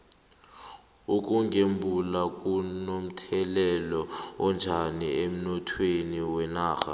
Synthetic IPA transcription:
uk̬ʼuŋɡembʱulak̬ʼunom̩tʰɛlɛlɔɔnd͡ʒʱaniem̩nɔtʰweniwɛnaːxa̰

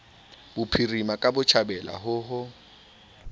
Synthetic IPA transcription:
bʊpʰirimakʼabʊt͡ʃʰabɛla̰ɦʊɦʊ

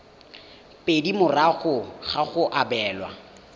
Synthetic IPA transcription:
pʼedimʊraɣʊχaχʊʔabɛːlwa̰

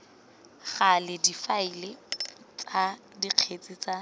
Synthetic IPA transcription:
ɣalɪdifailɪ | t͡sʼa | diq͡χʰet͡sʼit͡sa

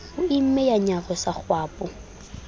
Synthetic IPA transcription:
ʊɪm̩mɛjaɲarɔsak͡xwaːpʼʊ

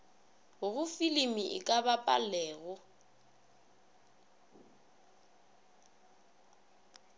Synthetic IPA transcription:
ɣʊɣʊfilimiʔɪ̰kʼabapʼa̰lɛːɣʊ

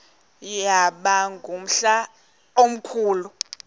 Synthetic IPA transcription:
jaɓaŋɡʱum̩ɬa | om̩kʰuːlu

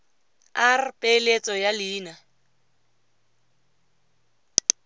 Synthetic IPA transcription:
arɪpʼelet͡sʼɔjaliːna

